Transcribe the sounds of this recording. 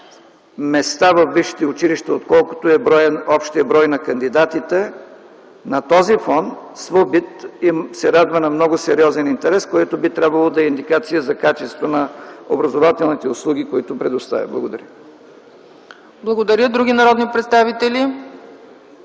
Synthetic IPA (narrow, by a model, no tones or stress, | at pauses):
mɛst̪avɐfviʃi̥t̪iʊt͡ʃiliʃt̪ɛot̪kɔlˠko̥t̪oɛbɾɔjɔpʃt̪iəbɾɔjnɐkɐnd̪id̪at̪it̪ɛ | nɐt̪ɔzifɔnsvobit̪isɛɾad̪vɐnɐmnɔɡʊsɛɾiɔzɛnint̪ɛɾɛskojɛt̪obit̪ɾʲabvɐlˠod̪ɐɛind̪ikat̪sijəzɐkat͡ʃɛst̪vənɐo̰bɾɐzovat̪ɛlˠnit̪ɛʊslˠuɡ̟ʲikoit̪ʊpɾɛd̪ʊst̪a̰vʲɐ̰blˠɐ̰ɡod̪ɐɾʲjə | blˠɐɡod̪ɐɾʲjəd̪ɾuɡʲinɐɾɔd̪nipɾɛt̪st̪avit̪ɛli